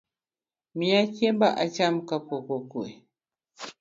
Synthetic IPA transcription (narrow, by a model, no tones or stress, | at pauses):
miakebaʔat͡ʃamkakokokue